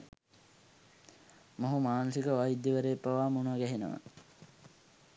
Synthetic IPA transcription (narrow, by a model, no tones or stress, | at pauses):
moɦumaːnəsikəʋajid̪ːiʋəɾeːpːaʋaːmunuʋəɡæɦenə̰ʋa̰